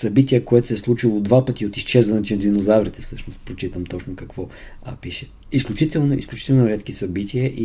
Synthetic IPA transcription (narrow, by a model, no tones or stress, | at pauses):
sɐbit̪iəkoɛt̪ʊ̥sɛslˠut͡ʃilˠod̪vapət̪iot̪ist͡ʃɛzvɐnɛt̪id̪vinozavɾit̪ɛfsɤʃnost̪pɾot͡ʃit̪əmt̪ɔt͡ʃnʊkɐkv̥ɔ | piʃɛ | isklʲut͡ʃit̪ɛlˠnoḭsklʲut͡ʃi̥t̪ɛlˠnoɾʲɛt̪k̟isɐbit̪ʰʲiəʔi